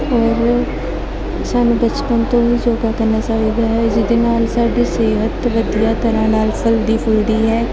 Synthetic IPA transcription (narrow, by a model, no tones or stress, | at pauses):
ɔːɾ | saːnũbət͡ʃpənt̪õːʋiːd͡ʒoːɡaːkəɾnaːt͡ʃaːiːd̪aːɦɛɪsd̪enaːlsaːɖiːseːɦət̪ʋəd̪ijaːt̪əɾãːnaːlpʰəld̪iːpʰʊlɽiːɦɛː